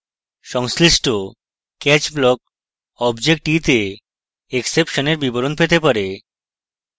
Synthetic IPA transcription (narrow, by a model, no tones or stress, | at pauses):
ʃɔŋsliʃʈʰo | kɛt͡ɕblɔk̚ | ɔbd͡ʑek̚ʈit̪e | eksepʃoneɾbiboɾonpet̪epaɾe